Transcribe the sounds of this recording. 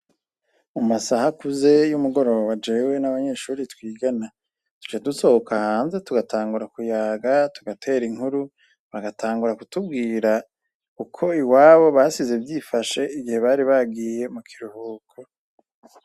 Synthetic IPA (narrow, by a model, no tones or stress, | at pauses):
umasahakuze̞jumuɡo̞ɾo̞βoβad͡ʒewe̞naβaɲe̞ʃuːɾitwiːɡana | tu̥t͡ʃaduso̞hokahaːnze̞tuɡatʰaːŋɡuɾakujaːɡatuɡatʰe̞ːɾiŋhuɾu | βaɡatʰaːŋɡuɾakutub̚ɡiːɾa | kukʰo̞iwaːβo̞βasize̞bjiːfaʃe̞iɡihe̞βaɾiβaɡiːje̞mukʰiɾuhuːkʰo